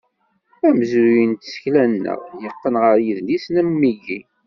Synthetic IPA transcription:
æməzujənt̪sə̥çlænːə̰ʁjəqːənʁəɾjiðlisnæmːiʝi

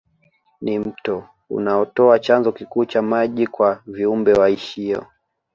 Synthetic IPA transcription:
nim̩tɔ | ṵnaɔtɔat͡ʃanzɔkikuːt͡ʃamaʄikwaviumbɛwaiʃiɔ̰

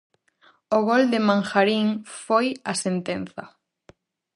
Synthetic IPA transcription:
ʊɣold̪ɪmãŋxaɾiŋfojasent̪en̟θɐ̰

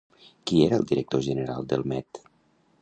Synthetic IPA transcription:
kieɾəəlˠd̪iɾək̚t̪oʒənəɾalˠd̪əlˠmɛt̪

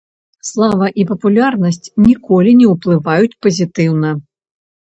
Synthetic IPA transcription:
slˠavɐʔipɐpulʲarnɐsʲt͡sʲnʲikɔlʲinʲɛwplˠɨvajut͡sʲpɐzʲit̪ɨwnɐ

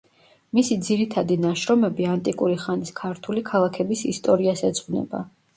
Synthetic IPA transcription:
misid̪ziɾit̪ʰad̪inaʃɾɔmɛbiant̪ʼikʼuɾiχaniskʰaɾt̪ʰulikʰalˠakʰɛbisist̪ʼɔɾiasɛsʼʁvnɛ̰ba̰

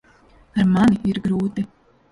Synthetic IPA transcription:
aɾmaniiɾɡɾuːt̪i

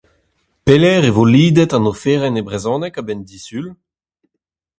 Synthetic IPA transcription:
pelɛʁevoliːd̪ɛt̪ɑ̃nofeːʁɛnebʁezɔ̃ːnɛkabɛnd̪isyl

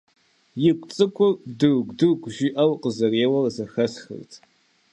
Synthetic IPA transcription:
jɪkʷʼt͡sʼɨkʷʰʊrdɨrɡʷdɨrɡʷʒiʔɐwqʼəzɐreːwɐrzɐxɐsxɨ̰rtʰ

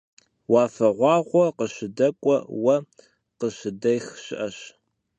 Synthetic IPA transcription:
wɑːfɐʁʷɑːʁʷɔqəɕɪdɐkʷʼɔwɐ | qəɕɪdɐjxɕɪʔɐɕ

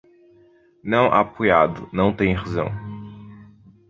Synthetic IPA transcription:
nɐ̃w̃ʔa̰pojad̪ʊnɐ̃w̃t̪ẽj̃ʁazɐ̰̃w̃

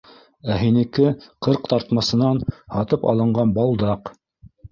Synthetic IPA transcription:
æɦinɘ̆kɘqɤɾqt̪ɑɾt̪mɑsɤ̆nɑnhɑt̪ɤpɑ̰lˠɤ̆ɴɢɑnbɑlˠd̪ɑq

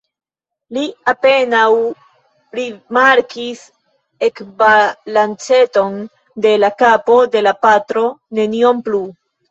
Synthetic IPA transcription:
liape̞naw | ɾimaɾkis | e̞kvalant͡se̞to̞n | de̞lakapo̞de̞lapatɾo̞ne̞nio̞mplu

